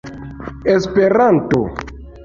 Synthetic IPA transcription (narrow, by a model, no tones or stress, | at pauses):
espeɾanto̰